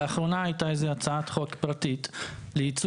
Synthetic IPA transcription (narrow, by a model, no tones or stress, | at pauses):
aχʁo̞naajtaezeat͡saat̪χo̞kpʁatitleit͡s